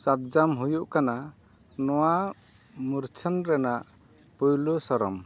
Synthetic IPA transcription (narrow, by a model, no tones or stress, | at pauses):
sat̪̚d͡ʒamɦujuʔkana | nɔwa | muɾt͡ʃʰanɾɛnaʔ | pujlusɔɾɔm